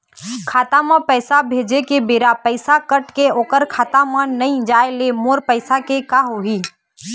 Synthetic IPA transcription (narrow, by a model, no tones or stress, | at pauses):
kʰaːt̪amãpɛːsabʱeːd͡ʒekebeːɾapəɪsakəʈkeoːkəɾkʰaːt̪amãnɐĩd͡ʒaːelemoːɾpəɪsakekaːɦoɦiː